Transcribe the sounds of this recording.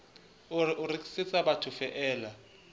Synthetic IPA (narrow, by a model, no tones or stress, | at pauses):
ʔʊrikʼi̥sɪt͡sʼabatʰʊfɛʔɛːla